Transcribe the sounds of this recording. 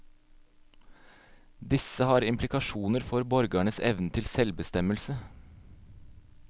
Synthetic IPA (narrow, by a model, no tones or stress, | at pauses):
d̪ɪsəhɑːɾɪmpʰlɪkɑʃuːnəɾfɔɾbɔɾɡæɳəsɛ̰ʋnət̪ʰɪlsɛlbəst̪ɛməlsə